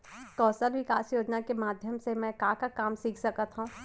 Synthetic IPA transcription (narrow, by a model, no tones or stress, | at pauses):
kɔːsəɾʋɪkaːsjoːd͡ʒnakemaːd̪ʱjəmsemɛ̃kaːkakaːmsiːkʰsɐkət̪ɦũː